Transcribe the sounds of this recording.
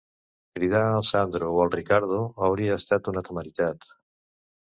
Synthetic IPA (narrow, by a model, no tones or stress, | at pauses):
kɾiðalˠsand̪ɾowalˠrikaɾð̞oawɾiaːst̪at̪unat̪omalit̪at̪